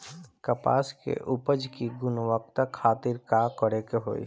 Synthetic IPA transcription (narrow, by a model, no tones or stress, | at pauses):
kəpa̰ːskḛʔʊpəd͡ʒkiɡʊnʋək̚t̪akʰaːt̪ɪɾkakɔɾekeɦo̰ːḭ